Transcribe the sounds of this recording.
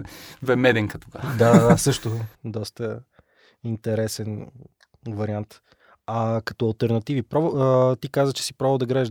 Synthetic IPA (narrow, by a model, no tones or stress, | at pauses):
vɛmɛd̪ɛŋkɐt̪oɡaad̪asɤʃt̪ʊd̪ɔst̪ə | int̪ɛɾɛsɛn | vɐɾiant̪ | ɐkɐ̥t̪ɔɐlˠt̪ɛɾnɐt̪ivipɾɔvt̪ikazvət͡ʃɛ̥si̥pɾɔvəlˠd̪ɐɡɾaɛʒ